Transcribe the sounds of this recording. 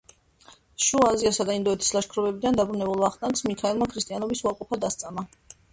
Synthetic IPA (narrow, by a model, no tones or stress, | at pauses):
ʃuaːziasad̪aind̪ɔɛt̪ʰi̥slˠaʃkʰɾɔvɛbid̪and̪abɾunɛbulˠvaχt̪ʼank̪smikʰaɛlˠmakʰɾist̪ʼianɔbisuaɾqʼɔpʰad̪ast̪sʼama